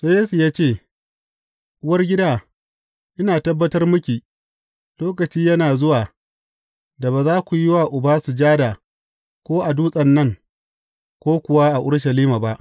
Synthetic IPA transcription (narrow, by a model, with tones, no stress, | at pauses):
se˦jeː˦su˨jaː˦t͡ʃeː˦˨ | ʔʊ˦wɐ˦rɡʲɪ˦daː˦ | ʔɪ˦naː˨tɐ˦bːɐ˦tɐ˦rmʊ˦kʲiː˨ | loː˦kɐ˨t͡ʃiː˦jɐ˦naː˨zʊ˦waː˨ | da˨baː˨zaː˦kʷu˨jɪ˦waː˨ʔʊ˨baː˦su˨d͡ʒaː˦da˨ | kʷoː˦ʔa˨duː˦sʼɐ˨nːɐ˦ŋ | kʷoː˦kʷʊ˨wa˦ʔa˨ʔʊ˦ɽʃ̬ɐ˨liː˦ma˨ba˦ʔ